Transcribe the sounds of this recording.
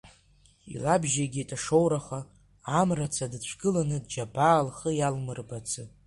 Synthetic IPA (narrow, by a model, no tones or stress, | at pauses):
ḭlabʒaɡʲitʼaʂowɾaχaː | mrat͡sʰadt͡ɕʷʰɡɨlanɨdd͡ʒabaːlχəjalmɨrbat͡sʰɨ